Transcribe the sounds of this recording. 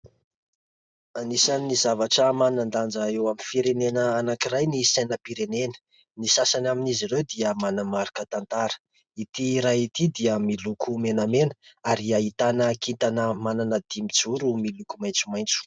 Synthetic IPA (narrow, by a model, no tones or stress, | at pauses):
anisanːizavaʈ͡ʂəmanand̪and͡zaewaminfiɾenenəanakiɾajnisajnəpiɾenenə̥ | nisasanaminizirewd̪iəmanəmaɾikət̪ant̪aɾə̥ | it̪iɾait̪id̪iəmilukʰumenəmenəaɾiait̪anəkint̪anəmananəd̪imid͡zuɾumilukumajnt͡sumajnt͡su̥